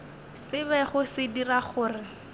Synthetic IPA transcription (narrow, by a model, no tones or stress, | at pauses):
sɪbɛχʊsɪdiraχʊːrɪ